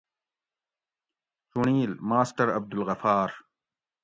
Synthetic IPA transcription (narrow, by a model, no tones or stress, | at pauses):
suɳiːlmaːsʈɐɾɐ̰b̚d̪ulɣɐfaːɾ